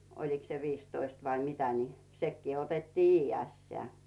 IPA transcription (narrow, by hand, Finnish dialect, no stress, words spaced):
oliks se ʋiːstoist ʋɑi mitæ ni sekːiː otetːiː iːjeæˑsteæˑ